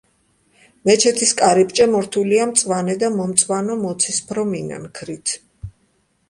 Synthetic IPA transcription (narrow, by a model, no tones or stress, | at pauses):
mɛt͡ʃʰɛt̪ʰiskʼaɾipʼt͡ʃʼɛmɔɾt̪ʰuliamt̪sʼwanɛd̪amɔmt̪sʼwanɔmɔt̪sʰispʰɾɔmina̰nkʰɾit̪ʰ